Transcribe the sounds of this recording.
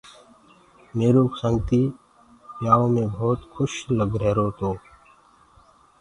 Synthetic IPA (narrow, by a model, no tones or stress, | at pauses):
meːɾõːksəŋɡt̪iː | pjaːõːmẽːbʱɔːt̪kʰʊʃləɡɾeːɾoːt̪oː